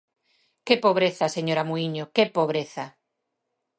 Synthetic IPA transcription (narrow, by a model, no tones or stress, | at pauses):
kepoβ̞ɾeθaseɲoɾamuiɲokepoβɾeθa